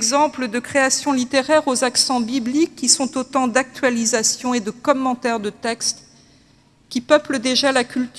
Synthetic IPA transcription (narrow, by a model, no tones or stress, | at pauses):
ɡzɑ̃pləd̪əkχeasjɔ̃lit̪eʁɛʁozaksɑ̃biblikːisɔ̃t̪ot̪ɑ̃d̪ak̚t̪ɥalizasjɔ̃ed̪əkɔmːɑ̃t̪ɛʁd̪ət̪ɛkst̪ | kʲipœpləd̪eʒalakʲylt̪